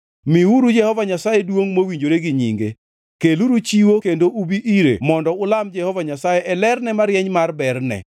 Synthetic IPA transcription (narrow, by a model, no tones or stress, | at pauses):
miwuɾud͡ʒɛhɔvaɲasajedwoŋmowiɲd͡ʒoɾeɡɪɲḭŋɡe | keluɾut͡ʃiwokendoʔubiʔiɾḛmɔndɔʊlamd͡ʒɛhɔvaɲasajɛʔɛlɛrnɛmaɾjɛɲmarbɛrnɛ̰